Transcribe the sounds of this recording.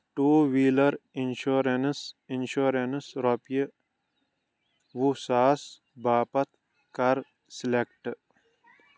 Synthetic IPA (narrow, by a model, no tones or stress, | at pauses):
ʈuːʋiːlɐɾinʃoɾensinʃoːɾensɾɔpijə | ʋusaːs | baːpɐt̪̚ʰ | kɐɾ | silek̚ʈ